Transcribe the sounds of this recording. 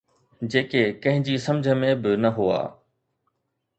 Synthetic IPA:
d͡ʑeːkekɐ̃ɦɪ̃d͡ʑiːsɐ̃md͡ʑʱəmẽbɪnɐɦua̰ː

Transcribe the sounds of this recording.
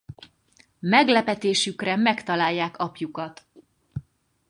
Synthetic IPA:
mɛɡlɛpɛt̪eːʃykrɛmɛkt̪ɒlaːjːaːkɒpjukɒt̪

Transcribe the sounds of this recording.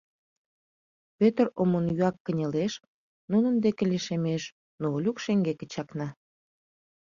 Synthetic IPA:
pøt̪əromonjyɑkːənʲĕleʃ | nunənd̪ekeliʃemeʃ | noolʲukʃeŋɡekə̥̆t͡ɕɑknɑ

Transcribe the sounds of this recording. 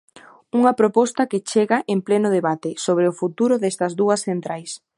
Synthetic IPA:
uŋɐpɾopɔst̪ɐkɪt͡ʃeɣaʔemplenʊð̞eβat̪ɪsoβ̞ɾeʊfut̪uɾʊðɛst̪ɐzðuɐsθent̪ɾajs

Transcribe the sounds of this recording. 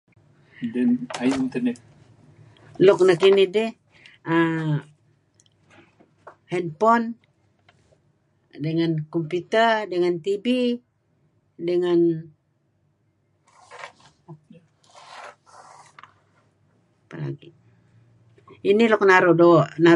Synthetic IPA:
dɛnaiint̪ənɛt̪̚ | lʊk̚nəkinidɪh | ə | hɛnpɔn | dəŋankɔmput̪ərdəŋant̪ibi | dəŋan | pəɾa̰ɡi | inilʊk̚naɾʊʔdoʔna

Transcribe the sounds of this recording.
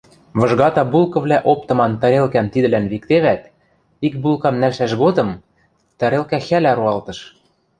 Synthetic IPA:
βɤ̆ʒɣɑt̪ɑbulˠkɤ̆βlæʔop̚t̪ɤ̆mɑnt̪ɑ̆ɾelkæmt̪id̪ɘ̆lænβik̚t̪eβæt̪ | ik̚bulˠkɑmnælʃæʃɣod̪ɤ̆m | t̪æɾelkæxælæɾuɑlˠt̪ɤ̆ʃ

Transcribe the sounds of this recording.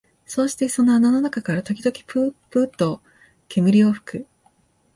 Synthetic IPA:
so̞ːɕi̥t̪e̞so̞noanano̞nakakaɾat̪o̞kʲid̪o̞kʲi̥pɯpɯːt̪ːo̞ | kʰe̞mɯ̟ɾʲio̞ɸɯ̟̥kɯ̟

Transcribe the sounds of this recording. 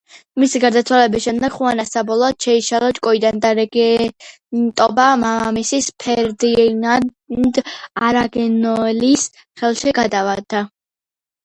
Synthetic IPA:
misiɡaɾd̪at̪sʰwalɛbisʃɛmd̪ɛɡ̥χuanasabɔlˠɔːd̪̥ʃɛiʃalˠɔt͡ʃʼkʼɔid̪and̪aɾɛɡɛ | t̪ʼɔbamamamisispʰɛɾd̪ina | d̪aɾaɡɛnɔɛlis | χɛlˠʃiɡad̪avad̪̥a

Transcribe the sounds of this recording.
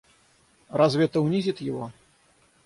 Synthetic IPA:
razvʲɛt̪ɐwnʲizʲit̪jiɣɔ

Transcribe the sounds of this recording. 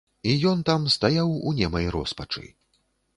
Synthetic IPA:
ijɔnt̪amst̪ajawunʲɛmɐjɾɔ̰spɐt͡ʂɨ̰j

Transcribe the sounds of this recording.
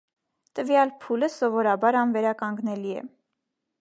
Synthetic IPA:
t̪əvjɑlpʰuləsɔvɔɾɑbɑɾɑnvɛɾɑkɑŋɡnɛliɛ̰

